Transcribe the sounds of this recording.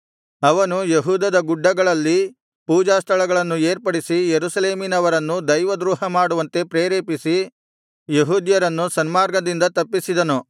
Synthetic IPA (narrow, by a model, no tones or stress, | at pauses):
ɐʋɐnujeɦuːd̪ɐd̪ɐɡuɖːɐɡɐɭɐlːi | puːd͡ʒaːst̪ʰɐɭɐɡɐɭɐnːue̞ːɾpɐɽisijeɾusɐleːminɐʋɐɾɐnːud̪ɐjʋɐd̪ɾuːɦɐmaːɽuʋɐnt̪e̞pɾeːɾeːpisi | jeɦuːd̪jɐɾɐnːusɐnmaːɾɡɐd̪ind̪ɐt̪ɐpːisid̪ɐnu